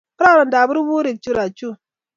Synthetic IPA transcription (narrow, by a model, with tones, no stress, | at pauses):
pɾa˦˨ɾɔ˨nda˨bu˦ɾbu˦ɾi˨k̚t͡ʃu˦ɾa˨t͡ʃu˦